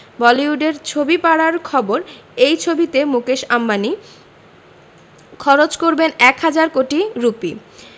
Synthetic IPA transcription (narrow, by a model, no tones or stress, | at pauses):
bɔliuɖeɾt͡ɕʰobipaɽaɾkʰɔboɾejt͡ɕʰobit̪emukeʃamːani | kʰɔɾot͡ɕkoɾbenɛkhad͡ʑaɾkoʈiɾupi